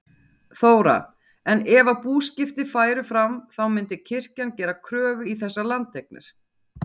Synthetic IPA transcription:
θoːwɾa̰ | ɛnɛvapuːscɪft̪ɪfaːjɾʏfɾamθawmɪnt̪ɪcʰɪr̥cancɛːɾakʰɾœːvʏiθɛsːalant̪ːejk̚nɪ̰ɾ̥

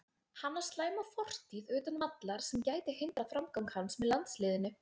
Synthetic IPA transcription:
hanːaɾ̥st̪laːjmafɔr̥t̪iðʏːt̪anvat̪laɾ̥sɛmcaːjt̪ɪhɪnt̪ɾafɾamkawŋkhansmɛðlant̪slɪːðɪnʏ

